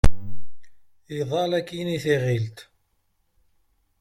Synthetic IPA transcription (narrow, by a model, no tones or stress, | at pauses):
iðˤɑlækːiniθiʁilt̪